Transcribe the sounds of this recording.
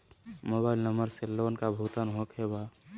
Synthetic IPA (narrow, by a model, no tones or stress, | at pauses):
mobailnəməɾseloːnkabʱut̪anɦokɦeba